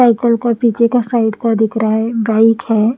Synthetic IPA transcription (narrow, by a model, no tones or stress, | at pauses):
aɪkəlkapiːt͡ʃʰekasaɪɖkad̪ɪkʰɾaɦɛɡaːɪkɦɛː